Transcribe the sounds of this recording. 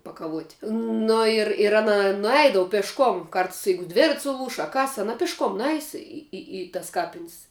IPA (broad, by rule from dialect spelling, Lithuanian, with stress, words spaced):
pɐkɐˈʋuɔtʲ nʊ ɪr ɪr ˈɑːnɐ nʊˈɛɪdɐʋʊ pʲɛʃˈkoːm ˈkɐrts ˈjɛɪɡʊ ˈdʲʋʲɪrɐtʲsʲ sʊˈlˠuːʃ ɐ ˈkɐs ɐˈnɐ pʲɪʃˈkoːm ˈnʊˌɛɪs ɪ ɪ ɪ tɐs ˈkɑːpʲɪnʲsʲ